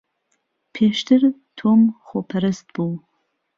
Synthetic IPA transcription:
pʰeːʃtʰɨr | tʰomχʷopʰɐɾɨstʰb̥uw

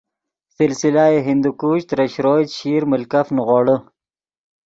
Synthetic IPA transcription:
sɪlsɪlaeɦɪnd̪ukuːɕt̪ɾɐɕɾoːjt̪ɕiːɾmʊlkafnɣoːɽə

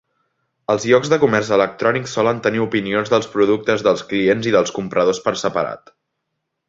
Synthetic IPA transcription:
əlˠzʎɔɡzðəkumɛrzələk̚t̪ɾɔniksɔlənt̪əniupinionzðəlˠspɾuðuk̚t̪əzðəlˠsklienziðəlˠskumpɾəð̞ospəɾsəpəɾa̰t̪

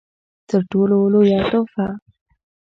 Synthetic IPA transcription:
t̪əɾʈololojɑt̪ofa

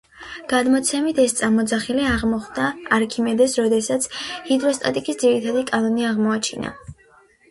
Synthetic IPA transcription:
ɡ̥ad̪mɔt̪sʰɛmit̪ʰɛst̪sʼamɔd̪zaχiliaʁmɔχd̪aːɾkʰimɛd̪ɛsɾɔd̪ɛsat̪sʰhid̪ɾɔst̪ʼa̰t̪ʼikʼisd̪ziɾit̪ʰad̪ikʼanɔniaʁmɔat͡ʃʰina̰

